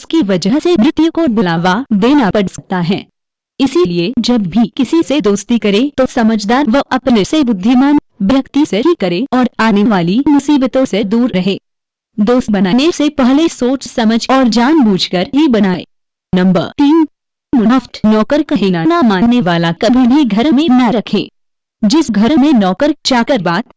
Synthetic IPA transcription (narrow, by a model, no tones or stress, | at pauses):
ʊskiʋɐd͡ʒəɦsemɾɪt̪jukobʊlaːʋad̪eːnapɐɽsɐk̚t̪aɦɛ̃ː | ɪsilied͡ʒɐbːʱikɪsised̪oːst̪ikɐɾet̪osɐməd͡ʒʱd̪aːɾʋɐɦɐpnesebʊd̪ʱːɪmaːn | bjɐkt̪iseɦikɐɾeɔːɾaːneʋaːlimʊsiːbt̪õsed̪uːɾɾɐɦeː | d̪oːst̪bɐnaːnesepɛɦlesoːt͡ʃsɐməd͡ʒʱɔːɾd͡ʒaːnbuːd͡ʒʱkɐɾɦibɐnaːḛː | nɐ̃mbə̰ɾt̪iːn | mʊəfʈ̪nɔːkəɾkɐɦiːnanamãːnːeʋaːlakɐbʱiniɡʱɐɾmẽnaɾɐkʰḛ̃ː | d͡ʒɪsɡʱɐɾmẽnɔːkəɾt͡ʃaːkəɾbaːt̪